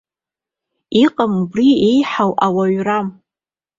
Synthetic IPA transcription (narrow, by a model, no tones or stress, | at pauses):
iqʼamubriejħawʔawaɥram